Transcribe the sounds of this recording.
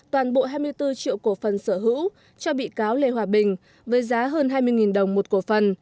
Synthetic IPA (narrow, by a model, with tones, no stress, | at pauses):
t̪waː˨˩nɓo̰˧˨ɦaː˧jmɨ˧əjt̪ɨ˧t͡ɕḭ˧˨əwku˧˩fə˨˩nsəː˧˩ɦɨ̰˧˥w | t͡ɕɔ˧ɓḭ˧˨kaː˨˦wle˨˩ɦwaː˨˩ɓï˨˩ŋ̟ | vəː˨˦jzaː˨˦ɦəː˧nɦaː˧jmɨ˧əjŋi˨˩nɗə˨˩wŋ͡mmo˨˩t̚ku˧˩əfə˨˩n